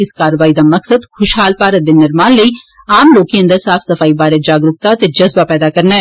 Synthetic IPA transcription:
ɪskaːɾʋaːid̪amɐksəd̪xʰʊʃɦaːlpaːɾəd̪enːɪɾmaːnləi | aːmloːkːeɐ̃nd̪əɾsaːfʰsɐfaːibaːɾed͡ʒaːɡɾʊk̚t̪at̪ed͡ʒɐzbapɛːd̪akɐɾnaɛ

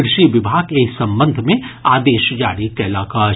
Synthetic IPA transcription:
ɾʃiʋɪbʱaːɡeːsɐ̃mbə̃nd̪ʱmẽaːd̪eːʃd͡ʒaːɾikɐlaːka

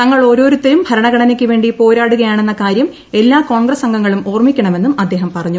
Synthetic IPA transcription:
nɐŋːɐɭo̞ːɾo̞ːɾut̪ːejumbʱɐɾɐɳɐɡɐɳɐnekʲːɨʋe̞ːɳɖipo̞ːɾaːɽuɣɐjaːɳe̞nːɐkaːɾjɐm | e̞lːaːko̞ːɳɡrɐsɐŋɡɐŋːɐɭumo̞ːrmikʲːɐɳɐme̞nːumɐd̪ːe̞ːɦɐmpɐrɐɲːu

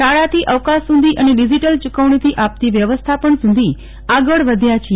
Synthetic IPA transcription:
ʃaɭat̪ʰiʔəʋkasːũnd̪ʱiʔəneɖid͡ʒiʈəlt͡ʃukəʋɳ̃it̪ʰiʔap̚t̪iʋjəʋəst̪ʰapəɳsũnd̪ʱi | aɡəɭʋəd̪ʱjat͡ʃʰ

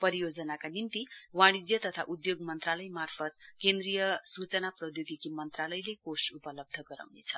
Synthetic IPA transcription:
pʌɾijod͡zʌnakanint̪iwaɽ̃id͡zjʌt̪ʌt̪ʰa̰ʔud̪joɡmʌnt̪ralʌjmarpʰʌt̪̚kend̪rijʌsut͡sʌnaprʌd̪joɡikimʌnt̪ralʌjlekosupʌlʌb̚d̪ʱʌɡʌɾa̰wnet͡sʰʌ

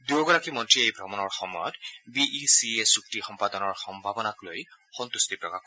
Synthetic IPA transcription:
duɹɡɔɹakimɔntɹiejbʱɔmɔnɔɹxɔmɔjɔtbiʔisiesuktixɔmpadɔnɔɹxɔmbʱabɔnakloj | xɔnt̪ustipɹɔkak

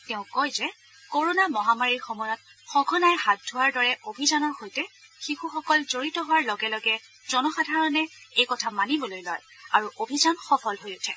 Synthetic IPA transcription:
tɛʊ̃kojzɛ | koɹonamɔɦamaɹiɹxɔmɔjɔt̚xɔɡʱɔnajɦat̚dʱʊwaɹdɔɹɛʔobʱizanɔɹxojtɛ | xixuxɔkɔlzoɹitɔɦʊwaɹlɔɡɛlɔɡɛ | z̥ɔnɔxadʱaɹɔnɛejkɔtʰamanibɔlojlɔ̰j | aɹuʔobʱizanxɔpʰɔlɦojʊtʰɛ

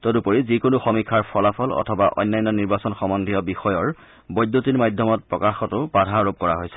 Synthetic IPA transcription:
tɔdupoɹizikonʊxɔmikʰːaɹpʰɔlapʰɔlɔ̰tʰɔbaʔɔ̰jnːajnːɔniɹbasɔnxɔmɔndʱijɔbixɔjɔɹ | bɔjdjotiɹmadʱjɔmɔt̚pɹɔkaxɔtʊbadʱaɹop̚kɔɹa̰ɦojsɛ̥

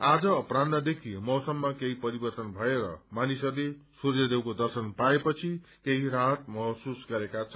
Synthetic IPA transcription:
ad͡zʌːprad̪mad̪ekʰimʌwsʌmːakeɦipʌɾibʌrt̪ʌnbʱʌeɾʌ̰manisʌrlesurjʌd̪ewkod̪ʌrsʌnpaepʌt͡sʰikeɦiɾaɦʌt̪̚mʌɦsusɡʌɾekat͡sʰʌ

